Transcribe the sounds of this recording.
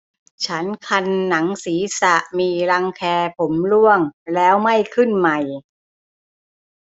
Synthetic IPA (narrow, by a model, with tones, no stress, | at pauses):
t͡ɕʰa˦˥nkʰa˧nːa˩˦ŋsiː˩˦sa˨˩ʔmiː˧ɾa˧ŋkʰɛː˧pʰo˩˦mlu˥˩əŋlɛː˦˥wma˥˩jkʰɯ˥˩nma˨˩j